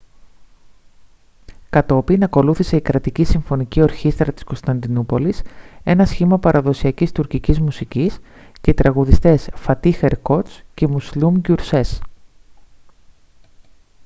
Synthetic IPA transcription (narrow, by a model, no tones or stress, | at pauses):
kɐt̪o̞pinɐko̞luθise̞ikɾɐt̪icisiɱfo̞nicio̞ɾçist̪ɾɐt̪i̥sko̞st̪ɐnd̪inupo̞lise̞nɐsçimɐpɐɾɐðo̞siɐcist̪uɾcicizmusicis | cet̪ɾʔɐɣuðist̪e̞sfɐt̪ixeɾko̞t͡sce̞muslumɟuɾse̞s